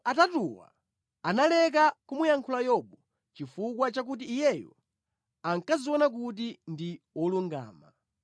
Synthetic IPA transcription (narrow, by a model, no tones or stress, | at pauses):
atatuwa̰ | analɛk̬akumujaŋkʰulajɔɓɔ | t͡ʃifukwat͡ʃak̬ut̬iːjɛjɔ̰ | aŋkaziwɔnak̬ut̬indi | ɔluŋɡa̰ːma̰